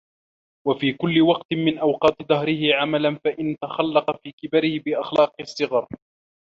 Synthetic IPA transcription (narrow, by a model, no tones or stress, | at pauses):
wafiːkʊlːɪwɑqt̪mɪnʔawqɑːt̪ɪd̪ˤɑɦɾɪhɪʕamalanfaʔɪnt̪axalːɑqɑfiːkɪbaɾɪhɪbɪʔaxlɑːqɨsˤːɨɣɑɾˤ